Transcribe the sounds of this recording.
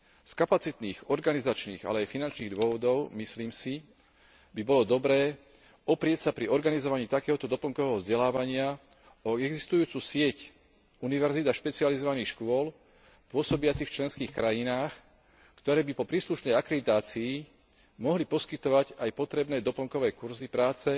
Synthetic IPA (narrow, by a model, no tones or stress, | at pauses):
skapat͡sit̪niːxɔɾɡanizat͡ʃnḭːɣa̰lɛajfinant͡ʃniːɣd̪ʊɔʋɔd̪ɔʊmisliːmsi | bibɔlɔd̪ɔbɾɛː | ɔpɾɪɛcsapɾiɔɾɡanizɔʋaɲiːt̪akɛːɦɔt̪ɔd̪ɔpl̩ŋkɔʋɛːɦɔvzɟɛlaːʋaɲɪa | ɔɛɡzist̪ujuːt͡suːsɪɛc | uniʋɛɾzid̪aʃpɛt͡siɪalizɔʋaniːxʃkʊɔl | pʊɔsɔbɪat͡sift͡ʃlɛnskiːxkɾajinaːx | kt̪ɔɾɛːbipɔpɾiːsluʃnɛjakɾɛd̪it̪aːt͡siː | mɔɦlipɔskit̪ɔʋaɟajpɔt̪ɾɛbnɛːd̪ɔpl̩ŋkɔʋɛːkuɾzipɾaːt͡sɛ